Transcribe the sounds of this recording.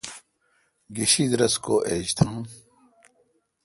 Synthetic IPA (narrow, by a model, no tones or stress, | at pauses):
ɡiɕid̪ɾɐskoːʔeːd͡ʑt̪ʰũː